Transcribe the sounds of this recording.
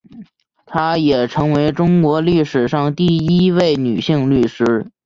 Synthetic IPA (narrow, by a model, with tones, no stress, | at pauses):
t̪ʰa˥jɛ˨˩ʈ͡ʂʰɤ˧˥ŋwe˧˥ɪʈ͡ʂʊ˥ŋkwɔ˧˥li˥˩ʂɻ̩˨˩ʂɑ˥˧ŋt̪i˥˩i˥we˥˩ɪny˨˩ɕi˥˧ŋly˥˩ʂɻ̩˥